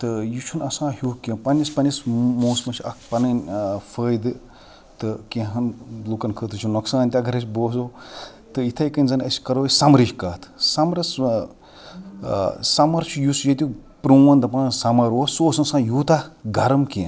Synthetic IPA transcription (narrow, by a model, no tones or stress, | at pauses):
t̪ɨjut͡ʃʰunɐsãːhukẽpɐnʲispɐnʲismuːsmɐt͡ʃʰɐ̰k̚ʰpɐnɐnʲfəːjd̪ɨ | t̪ɨkẽɦɐnlukɐnkʰət̪ʰɨt͡ʃʰunɐksãːnʲt̪ʲaɡʱɐɾɐt͡ʃʰʲboːzoː | t̪ɨit̪ʰɐjkɐnʲzɐnɐsʲkɐɾosɐmɾiʃʲkɐːt̪ʰsɐmɾɐs | sɐmɐɾt͡ʃʰujusjɐt̪ʲupɾuwɐnd̪ɐpɐnnsɐmɐɾwosoːsɐnsãːjuːt̪aɡɐɾɐmkʲẽn